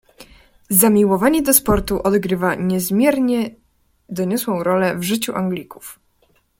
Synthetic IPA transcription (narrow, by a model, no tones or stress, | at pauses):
zamʲiwɔvaɲɛd̪ɔspɔɾt̪uʔɔd̪ɡɾɘvaɲɛzmʲjɛɾɲɛ | d̪ɔɲɔswɔ̃w̃ɾɔlɛvʐɘt͡ɕuʔaŋɡlʲikuf